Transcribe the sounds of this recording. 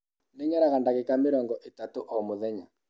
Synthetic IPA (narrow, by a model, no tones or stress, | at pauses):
neɲaɾaɣandaɣekamɪɾɔŋɡɔʔetatoʔɔmoðɛɲa